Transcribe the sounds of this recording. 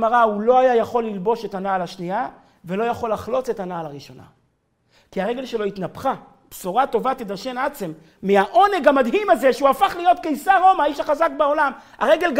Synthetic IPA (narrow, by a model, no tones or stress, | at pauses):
maʁaulo̞ajajaχo̞lːilbo̞ʃe̞tanaːlaʃnia | ve̞lo̞jaχo̞laχlo̞t͡se̞tanaːlaʁiʃo̞na̰ | kiaʁe̞ɡe̞lʃelo̞it̪napχa | bsoʁato̞vat̪id̪aʃe̞nat͡semː | iaʔo̞ne̞ɡamadɦimaze̞ʃeuafaχlijo̞t̪̚kejsaʁo̞maiʃaχazak̚beo̞lama̰ʁe̞ɡe̞lɡ